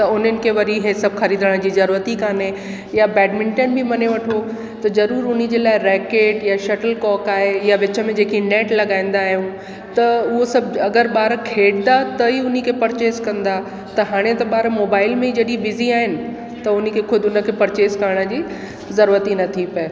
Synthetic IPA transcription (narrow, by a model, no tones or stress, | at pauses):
t̪ɐʊn̤ənɪ̆kʰeʋɐɾiɦesɐbxɐɾiːd̪ʱəɽ̃d͡ʑiːzɐɾuːɾət̪ikaːne | jabɛːɖmɪ̃ɳʈeːnbimɐneʋɐʈʰo | t̪ɐzɐɾuːɾʊnɪ̆d͡ʑeːlaːɪɾɛːkeːʈjaʃɐʈəlkɔːkaːɦejaʋɪt͡ɕə̆mẽd͡ʑeːkinɛːʈlɐɠaːĩːn̆d̪aːɦijũ | t̪ɐʊɦosɐbɐɡəɾɓaːɾkʰeːɽd̪at̪ɐiʊnikʰepɐɾt͡ɕeːskɐ̃nd̪a | t̪ɐɦaːɽ̃et̪ɐɓaːɾmoːbaːɪlmẽd͡ʑɐɗibɪziaːɦɪnɪ̆ | t̪ɐʊnĭkʰekʰʊd̪ʱʊnə̆kʰeːpɐɾt͡ɕeːskɐɾəɽ̃ə̆d͡ʑiː | zɐɾuːɾət̪inɐt̪ʰipɐe